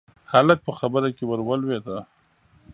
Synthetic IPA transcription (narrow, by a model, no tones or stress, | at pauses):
halək̚pəxabəɾakewaɾwalwet̪a